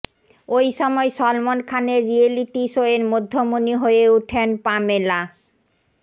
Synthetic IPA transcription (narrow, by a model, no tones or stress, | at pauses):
ojʃɔmɔeʃɔlmonkʰaneːieliʈiʃoeɾmod̪ʱːomoniɦojeuʈʰenpamela